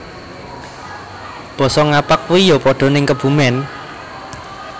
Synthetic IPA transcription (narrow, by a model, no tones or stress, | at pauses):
b̥ɔ̤sɔŋapak̚wijɔpɔɖ̥ɔ̤nɪŋkəb̥ṳmɛn